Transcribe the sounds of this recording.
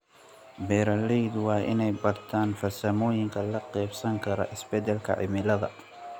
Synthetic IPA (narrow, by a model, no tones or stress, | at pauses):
bɛːɾɐlɛjd̪wɑːʔɪ̰nɛjbɐrt̪ʰaːnfɐsɐmɔːjɪŋkʰɐlɐqɛːbsɐŋkʰɐɾɔ̰ʔɪsbɛd̪ɛlkʰɐ̰ʕɪ̰mɪlɐðɐ̰